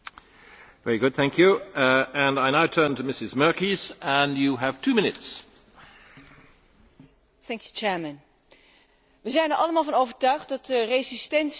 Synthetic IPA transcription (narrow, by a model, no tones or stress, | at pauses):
vɛɹiɡʊd̚θæ̃ŋkʰjʉɨ̃naɪnaʊtʰɜ̃˞ntʰɨmɪsɨzmɜ˞kizə̃njɨəv̥tʰʉmɪ̃nɨts | θɛŋkjut͡ʃɛːɹmə̃n | ʋəzɛjnəɹʔɑləmaːlˠvɑnowvəɹtœɥχt̚dɑtərezɪstɛns